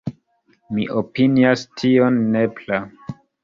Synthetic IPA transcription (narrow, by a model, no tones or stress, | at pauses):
miʔopiniastʰionːepla